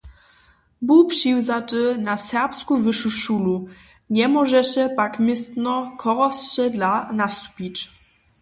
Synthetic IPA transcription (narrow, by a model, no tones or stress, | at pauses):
bupʂiwzatɘnasɛʁpskuvɘʂuʂulu | ɲɛmɔʐɛɕɛpakmɘst̪nɔkʰɔʁɔsɕɛd̪lanasu̥pʲit͡ɕ